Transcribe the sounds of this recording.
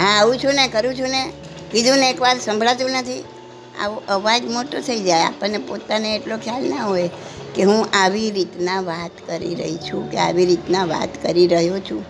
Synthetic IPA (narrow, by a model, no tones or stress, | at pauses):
ɦãaʋũt͡ʃʰunekəɾũt͡ʃʰune | kid̪ũneekʋaɾsə̃mbʱɭat̪ũnət̪ʰi | a̰ʋoʔəʋad͡ʒmoʈot̪ʰəid͡ʒaea̰pəɳnepot̪aneːʈlokʰjalnaɦojkeɦũʔaʋiɾit̪naʋat̪kəɾḭɾə̰ɦit͡ʃʰũkea̰ʋiɾit̪naʋa̰t̪kəɾiɾəɦjot͡ʃʰũ